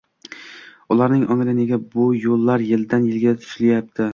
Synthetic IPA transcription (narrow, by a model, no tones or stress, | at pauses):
ʊlˠaɾnɪŋʔɒŋlɪneɡʲabʊjolˠːaɾjɪld̪anjɪlɡʲat̪ʰʊ̥ʃlajap̚t̪ʰɪ